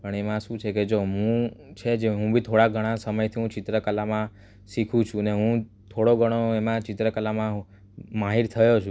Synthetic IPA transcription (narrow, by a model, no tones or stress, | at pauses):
pəɳemãʃũt͡ʃʰeked͡ʒoɦũt͡ʃʰed͡ʒeɦũbʱit̪ʰoɽaɡʱəɽ̃asəməjt̪ʰiɦũt͡ʃɪt̪ɾəkəlamã | ʃikʰũt͡ʃʰũneɦũ | t̪ʰoɽoɡʱəɽ̃oemãt͡ʃɪt̪ɾəkəlamã | maɦiɾt̪ʰəjot͡ʃʰũ